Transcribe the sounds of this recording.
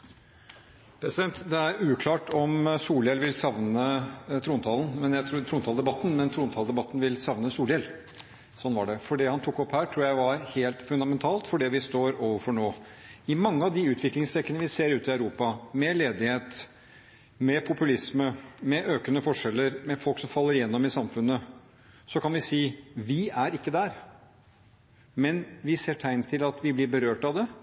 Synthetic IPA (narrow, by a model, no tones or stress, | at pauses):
pʰɾɛsɪd̪ɛnt̪d̪ɛæɾʉːkʰlɑːʈɔmsuːljɛlʋɪlsɑʋnət̪ʰɾuːnt̪ʰɑːlnmɛnjæɪt̪ʰɾut̪ʰɾuːnt̪ʰɑld̪ɛbɑt̪ːnmɛnt̪ʰɾuːnt̪ʰɑld̪ɛbɑt̪ːn̩ʋɪlsɑʋnəsuːljɛl | sɔnːʋɑ̰ɖɛfɔɖɛhɑnt̪ʰʊkːɔphæːʈʰɾuːjæɪʋɑɾheːlt̪fʉnd̪ɑmɛnt̪ʰɑːlt̪fɔɖɛʋɪst̪oːɾoːʋəfɔɳoːɪmɑŋːəɑʋd̪ɪʉːt̪ʋɪklɪŋst̪ʰɛkːənəʋɪseːɾʉːt̪ɪæʉɾuːpɑmɛleːd̪ɪheːt̪ | mɛpʰʊpʉlɪsməmɛʔøːkənəfɔʂɛlːəɾmɛfɔlksɔmfɑlːəɾɪjɛnːɔmɪsɑmfʉnːə | sɔkʰɑnʋɪsiːʋɪæɾɪkːəd̪æɾ | mɛnʋɪseːʈʰæɪnt̪ʰɪlɑt̪ʋɪblɪɾbəɾøːʈɑʋd̪ɛ